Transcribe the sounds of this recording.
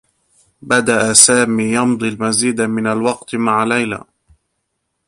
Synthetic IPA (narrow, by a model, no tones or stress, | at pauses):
bad̪aʔasaːmiːjɑmd̪ˤilmaziːd̪amɪnalwɑqt̪maʕalajla̰ː